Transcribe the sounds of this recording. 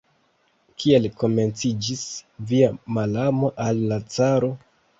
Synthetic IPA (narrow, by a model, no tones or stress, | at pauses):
kʰie̞lko̞me̞nt͡sid͡ʒisviamalamo̞ʔalːat͡saɾo̞